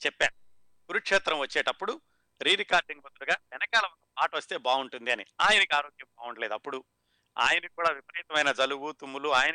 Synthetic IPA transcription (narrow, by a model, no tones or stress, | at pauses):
t͡ʃɛpːaːɳu | ɡ̥uɾukʂɛːt̪ɾɐmʋɐt͡ʃːeːʈɐpːuɽu | ɾiːɾikaːɾɖiŋɡbɐd̪uɽuɡaːʋɛnɐkaːlɐɐk̪ɐpaːʈɐʋɐst̪e̞ːbaːuɳʈund̪iɐniaːjɐnɐkiaːɾo̞ːɡjɐmbaːuɳʈɐleːd̪ɐpːuɽu | a̰ːjɐnikuːɽaːʋipɐɾiːt̪ɐmɐjnɐd͡ʒɐluɡut̪umːuluaːjɐnɐ